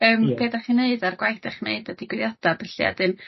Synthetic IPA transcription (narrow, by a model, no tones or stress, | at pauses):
əːmpʰeːdaχineɨdarɡwajθdaχneɨdad̥ɪɡwɪðjad̥abəɬia̰dɨm